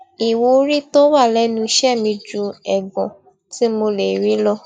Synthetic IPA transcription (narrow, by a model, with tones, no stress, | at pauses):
i˨wo˧˦ɾi˦to˦wa˦˨lɛ˦nũ˧ʃɛ˦˨mĩ˧d͡ʒu˧ɛ˨ɡɔ̃˨ | ti˨˦mo˧le˨ɾi˨˦lɔ˦